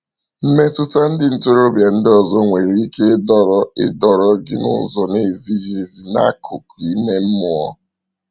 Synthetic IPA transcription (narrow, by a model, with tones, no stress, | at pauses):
m̩˦me˦tʊ˦ta˦n̩˦dɪ˨n̩˨to˦ɾo˦bja˨n̩˦dɪ˦ɔ˨zɔ˦ŋʷe˨ɾi˨i˦ke˦dɔ˨ɾɔ˦ɪ̰˦dɔ˨ɾɔ˦ɡɪ̰˦nʊ̰˦zɔ˨ne˦˨zi˦ɦe˨zi˨na̰˦kʰʊ˨ki˦me˦m̩˦mʊ˨ɔ̰˦